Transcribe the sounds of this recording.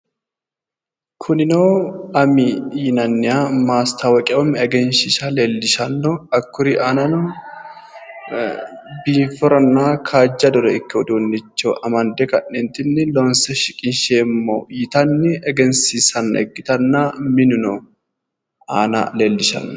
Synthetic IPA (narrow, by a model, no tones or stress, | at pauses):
kʰʊnɪnoːɐmɪjɪnɐnːɪjamaːst̪ʰɐwɔkʼɛʔɔmɛɡɛnʃɪʃɐleːlːɪʃɐnːɔɐkːʊɾɪʔaːnɐnʊ | biːfɔɾɐnːaːkʰaːd͡ʒːɐd̪ɔɾɛɪkːɪwɔd̪onːɪt͡ʃːoʔɐmɐnd̪ɛkɐnːɛnt̪ɪnːɪlɔnsɛʃɪkʼɪnʃeːmːo̰ːjɪt̪ɐnːɪʔɛɡɛnsisɐnɐɛ̰ɡːɪt̪ɐnːamɪnʊno | aːnɐ̰leːlːɪʃɐ̰nːɔ